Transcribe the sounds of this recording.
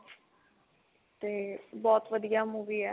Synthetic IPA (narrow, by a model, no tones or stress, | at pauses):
t̪eːbɔːt̪ʋəd̪ijaːmuːʋiːɛː